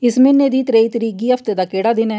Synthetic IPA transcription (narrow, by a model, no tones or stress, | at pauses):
ɪsmɪnːeːd̪iːt̪ɾeːiːt̪əɾiːk̬iːɦəpʰt̪eːd̪aːkeːɽaːd̪ɪnɛː